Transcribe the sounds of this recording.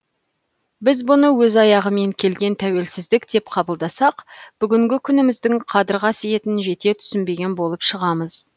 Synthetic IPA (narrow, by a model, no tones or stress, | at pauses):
bɪzbʊnəwɵzɑjɑʁəme̞ŋkʲʰe̞lɡʲe̞nt̪ʰæwe̞lsɪzd̪ɪkd̪e̞pqʰɑbəlˠd̪ɑsɑqb̥ʏɡʲɪŋɡʲɪkʲʰʏnɪmɪzd̪ɪŋqʰɑd̪əɾʁɑsije̞t̪ɪnʒe̞t̪e̞t̪ʰʏ̥sɪnbe̞ɡʲe̞nbo̞lˠəpʃəʁɑməz̥